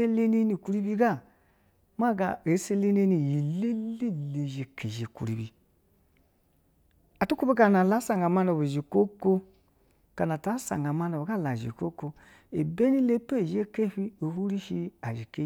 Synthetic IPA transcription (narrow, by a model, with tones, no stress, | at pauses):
e˦le˦ne˦ni˨ku˦ɾi˦bi˦ɡa˦˨ | ma˦˨ɡa˨e˨˦se˦le˦ne˦ni˨ji˨le˦li˦le˨ʒe˨ke˨ʒe˨kṵ˨ɾi˨bi˨ | a˨tu˦ku˦be˦ka˨na˨la˨˦sa˨ŋɡa˨ma˦no˨βo˨ʒi˨ko˦ko˦ | ka˨na˨ta˨˦sa̰˨ŋɡa˨ma˦no˨βo˨ɡa˦˨la˨ʒḭ˨ko˦ko˦ | e˨be˦ni˦le˦pe˦˨ʒe˦ke˦ɸi˦o˨hu˦ɾi˦ʃi˦a˨ʒi˨ke˦